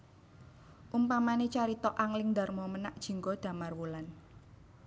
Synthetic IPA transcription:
ʔumpamanet͡ʃaɾit̪ɔʔaŋlɪŋnd̪a̤rmɔmənaʔd̥ʒ̥i̤ŋkɔd̪̥ä̤marwulan

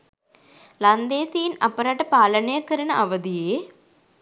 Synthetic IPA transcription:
lɐnd̪eːsijinɐ̰pːɐɾaːʈːɐpaːlɐnɐjɐkːɐɾɐnɐʔɐʋɐd̪ijeː

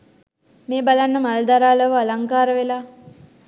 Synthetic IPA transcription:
meːbalanːəmald̪aɾaːləʋəalaŋkaːɾəʋelaː

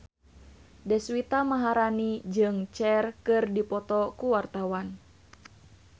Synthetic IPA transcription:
dɛswit̪amaɦaɾanid͡ʒɨŋt͡ʃɛrkɨrdipɔt̪ɔkuwart̪awan

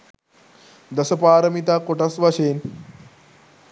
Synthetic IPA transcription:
d̪ɐsɐpaːɾɐmit̪akoʈɐsʋɐɕeːn

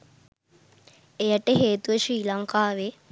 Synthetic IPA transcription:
ejɐʈəɦeːt̪uʋəʃɾiːlɐŋkaːʋe

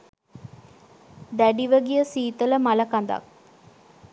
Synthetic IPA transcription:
d̪æɖiʋəɡijəsiːt̪ələmɐlɐkɐnd̪ɐ̰k

